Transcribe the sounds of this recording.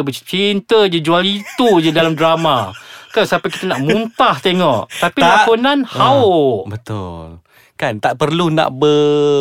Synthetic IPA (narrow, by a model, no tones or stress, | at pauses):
bət͡ʃint̪əd͡ʒəd͡ʒualit̪ud͡ʒədalamdɾamakansapaki̥t̪anaʔmũnt̪aht̪eŋɔʔt̪apilakunanhaʊbət̪ʊ̰l | kant̪aʔpərluna̰ʔbə